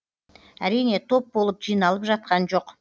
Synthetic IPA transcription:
æɾijne̞t̪ʰo̞p̚bo̞lˠəpʒijnɑlˠəpʒɑt̪̚qɑnʒo̞q

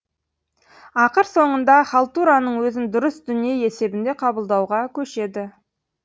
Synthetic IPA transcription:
ɑqəɾso̞ɴənd̪ɑχɑlˠt̪uɾanəɴwɵzɪnd̪ʊɾəsd̪ʏnije̞je̞se̞bɪnd̪e̞qʰɑbəlˠd̪ɑwʁɑkʲʰɵʃe̞d̪ɪ

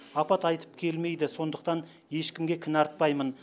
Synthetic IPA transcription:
ɑpɑt̪ɑjt̪ə̥p̚kʲʰe̞lme̞jd̪ɪso̞nd̪əqt̪ɑn | je̞ʃkʲɪmɡʲe̞kʲʰɪnɑɾt̪̚pɑjmən

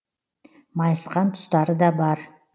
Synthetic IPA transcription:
mɑjsqɑnt̪ʰʊ̥st̪ɑɾəd̪ɑbɑɾ

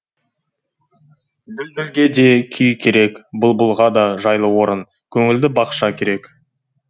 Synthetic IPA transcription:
bɪlbɪlɡʲe̞d̪e̞kʲʰʏjkʲʰe̞ɾe̞kbʊlˠbʊlˠʁɑd̪ɑʒɑjlˠəwo̞ɾən | kʲʰɵŋɪld̪ɪbɑqʃɑkʲʰe̞ɾe̞k

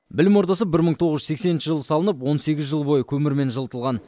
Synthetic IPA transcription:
bɪlɪmwo̞ɾd̪ɑsəp̚bɪɾməɴt̪ʰo̞ʁəzʒʏzeksennʃɪʒəlˠəsɑlˠənəp̬wo̞nse̞ɡʲɪzʒəlˠbo̞jəkʲʰɵmɪɾme̞nʒəlˠt̪əlˠʁɑn

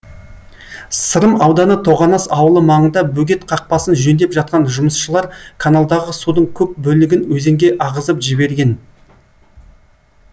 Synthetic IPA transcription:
səɾəmɑwd̪ɑnət̪ʰo̞ʁɑnɑsɑwəlˠəmɑɴənd̪ɑbɵɡʲe̞t̪qʰɑq̚pɑsənʒɵnd̪e̞pʒɑt̪̚qɑnʒʊməsʃəlˠɑɾkʰanalˠd̪ɑʁəsud̪əɴkʲʰɵp̚bɵlɪɡʲɪnwɵze̞ŋɡʲe̞ʔɑʁəzəpʒɪbe̞ɾɡʲe̞n

